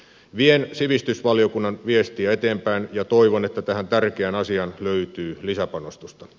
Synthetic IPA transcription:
ʋiensiʋist̪ysʋɑlio̞kunːɑnʋiest̪iæet̪eːmpæːnjɑt̪oiʋonet̪ːæt̪æhænt̪ærk̟eænɑsiɑnløyt̪yːlisæpɑnost̪ust̪ɑ

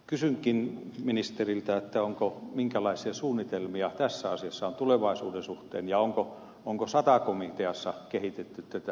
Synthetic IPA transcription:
kysyŋkinminist̪erilt̪æet̪ːæoŋkomiŋkælɑisiɑsuːnːit̪elmiɑt̪æsːæɑsiɑsːɑont̪uleʋɑisuːdensuht̪ḛːnjɑoŋko | oŋkosɑt̪ɑkomit̪eɑsːɑkehit̪et̪ːyt̪t̪æt̪æ

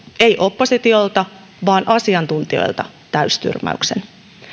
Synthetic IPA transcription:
e̞jʔo̞pːo̞sit̪io̞lt̪ɑ | ʋɑːnʔɑsiɑnt̪unt̪io̞̰jlt̪ɑ | t̪æyst̪y̰rmæ̰y̰ksen

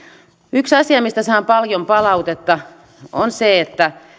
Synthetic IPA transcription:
yksɑsiɑmist̪æsɑːmpɑljompɑlɑut̪et̪ːɑ | onseet̪ːæ

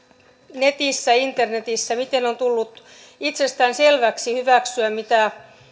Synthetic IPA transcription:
net̪isːæint̪ernet̪isːæmit̪enont̪ulːut̪ | it̪sest̪æːnselʋæksihyʋæksyæmit̪æ

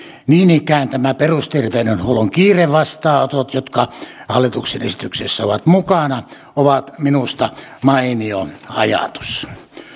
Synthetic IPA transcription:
niːnikˑæˑːent̪æmæperust̪irʋeˑinønhuoloŋkiːreʋʋɑst̪ɑːot̪ot̪jot̪kɑhɑlːit̪ukseḛsit̪yksesːæoʋɑt̪mukɑnɑ | oʋɑt̪minust̪ɑmɑinioɑ̰jɑ̰t̪u̥s

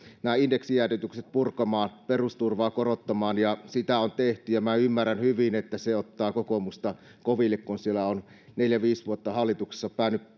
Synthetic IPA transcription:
næːindeksijæryt̪ykset̪̚purkɑmɑːnperust̪urʋɑːkorot̪ːɑmɑːnjɑsit̪æont̪eht̪yjɑmæymːærænhyʋinet̪ːæseot̪ːɑːkokomust̪ɑ | koʋilːekkunsielæon | neljæʋiːsʋuot̪ːɑhɑlːit̪ukse̥sːɑpæˑːnyp

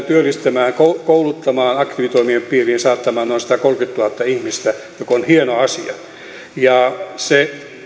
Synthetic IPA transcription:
t̪yølːist̪æmæːŋkokoulut̪ːɑmɑːnɑkt̪iʋit̪oimiemppiːriːnsɑːt̪ːɑmɑːnnoˑinsi̥t̪ækolkyt̪ːuɑt̪ːɑihmist̪æjokonhienoɑsiɑ̰ | jɑse

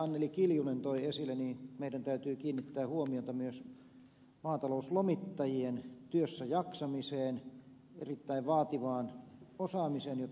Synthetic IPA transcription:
ɑnːelikiljunent̪oiesilːˑeniːnmeidænt̪æyt̪yːkiːnːit̪ːæːhuomiot̪ɑmyøs | mɑːt̪ɑlouslomit̪ːɑjient̪yøsːæjɑksɑmiseːn | ḛrit̪ːæiʋʋɑːt̪iʋɑːnosɑːmiseːnjot̪

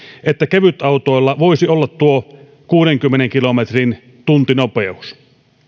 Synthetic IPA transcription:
et̪ːækeʋyt̪ɑˑut̪oˑelːɑʋoisiolːɑt̪tuo | kuːɾeŋkymːeneŋkilomet̪rin | t̪unt̪inopeus

